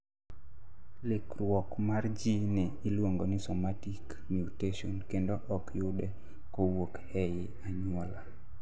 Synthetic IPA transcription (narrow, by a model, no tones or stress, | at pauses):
lɪkrwɔkmard͡ʒinɛɪlwoŋɡonɪsomatik | mjuteʃonkendoʔɔkjʊdɛ | kowokhɛjɪ | aɲʊɔla